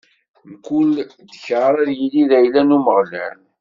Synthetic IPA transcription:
mkul | d̪əçʁəɾˤæðjiliðæjlænuməʁlæ̰n

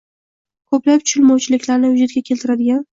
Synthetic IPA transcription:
kʰɵplaptt͡ʃ̪ʰʊ̥ʃɪlmɒwt͡ʃʰɪlɪkʲlaɾnɪjʊd͡ʒat̪̚ɡʲakʲʰe̞lt̪ʰɪɾad̪ɪɡʲan

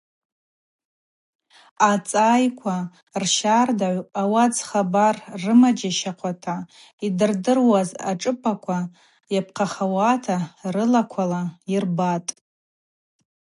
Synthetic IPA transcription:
at͡sʼajkʷʰa | rʃardaʕʷawad͡zχabarːɨmad͡ʒaʃaqʷʰatʰa | idɨrdɨrwaza̰ʈ͡ʂʼɨpʰʼakʷʰa | jap̚ʰqʰaχawatʰarɨlakʷʰalairbatʼ

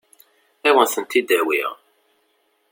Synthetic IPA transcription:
æwənθənt̪id̪æwḭʁ

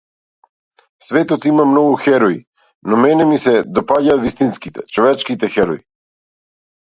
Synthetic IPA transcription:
svɛt̪ɔt̪imamnɔɡuxɛɾɔḭ | nɔmɛnɛmisɛd̪ɔpaɟaːt̪vist̪inskit̪ɛt͡ʃɔvɛt͡ʃkit̪ɛxɛɾɔ̰i

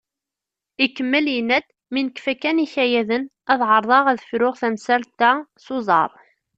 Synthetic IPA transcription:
ikːəmːəljinːæd̪ | minəkfækːæniçæjæðən | æðʕəɾˤðˤɑʁæðəfɾʊʁθæmsælt̪ːæsʊzˤɑ̰ɾˤ

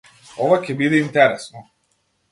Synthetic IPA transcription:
ovacʲɛbid̪ɛint̪ɛɾɛsnɔ

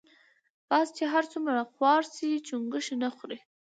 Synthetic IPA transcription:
pɑst͡ʃeɦaɾt͡sumɾaxwɑɾsit͡ʃuŋɡəʃinaxɾe

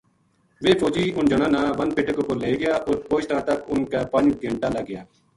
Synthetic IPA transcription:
ʋeːfoːd͡ʒiːʔʊnd͡ʒənãːnãːʋənpɪʈːkoːkoɾleːɡɪjaːʔoːɾpoːʃʈãːt̪əkʊnkaːpənɡʱəɳʈaːləɡːɪjaː

